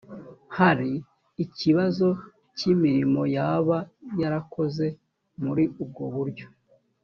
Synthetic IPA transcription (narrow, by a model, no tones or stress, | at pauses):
haɾiː | ciβazo̞ | cimiɾimo̞jaβajaɾako̞ze̞ | muɾiub̚ɡo̞βuɾɟo̞